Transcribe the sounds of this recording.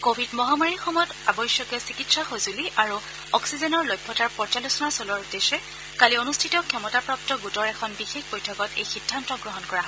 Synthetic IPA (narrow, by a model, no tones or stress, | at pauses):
kobʱidmɔɦamaɹixɔmɔjɔtabɔjsjɔkɛsikitsaxozuliaɹu | ɔksizɛnɔɹlɔjbʱːɔtaɹpɔɹt͡ʃalusɔnasɔlɔɹdesɛ | kalionustʰitɔkʰɛmɔtapɹap̚tɔɡutɔɹɛkʰɔnbixexbojtʰɔkɔtḛjxidʱːantɔɡɹɔɦɔnkɔɹaɦ